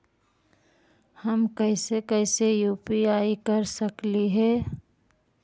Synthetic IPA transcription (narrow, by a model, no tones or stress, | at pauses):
həmkəɪsekəɪsejuːpiaːikəɾsəkliɦɛː